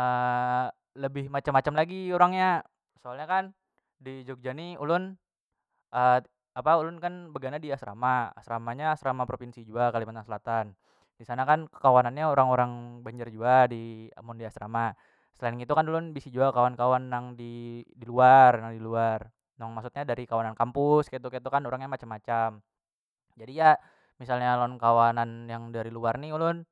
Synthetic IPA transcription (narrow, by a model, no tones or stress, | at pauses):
ə | ləbɪhmat͡ʃamːat͡ʃamlaɡioɾaŋɲa | soalɲakan | did͡ʒok̚d͡ʒaniṵlʊn | ʔə | apaulʊnkanbəɡanadiasɾa̰maa̰sɾamaɲaːsɾamapɾopinsid͡ʒuakalimant̪aŋsəlat̪an | d̥isanakankə̥kawananɲaoɾaŋoɾaŋbaɲd͡ʒɪrd͡ʒuadia̰mʊndiasɾama | səlainit̪ukanlʊnbisid͡ʒuakawankawanːaŋdidiluarnaŋdiluar | naŋmaksut̪̚ɲadaɾikawanankampʊskait̪ukat̪ukanoɾaŋɲamat͡ʃamːat͡ʃam | d͡ʒadija | misalɲalɔnkawananjaŋdaɾiluarniulʊn